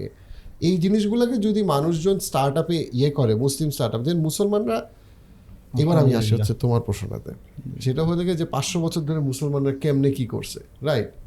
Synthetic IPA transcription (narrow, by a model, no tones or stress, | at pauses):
ḛ | ejd͡ʑiniʃ̬ɡulaked͡ʑod̪imanuʃ̬d͡ʑonsʈaɾʈapeʔekɔɾemuslimsʈaɾʈapd͡ʑenmusolmanɾa | eβaɾamiaʃeɦot͡ɕʰːet̪omaɾpɾoʃo̰na̰t̪ḛ | ʃeʈaɦoet̪ʰeked͡ʑepasʃobɔt͡ɕʰoɾd̪ʱoɾemusolmanɾakemnekiko̰ɾt͡ɕʰḛ | ɾajʈ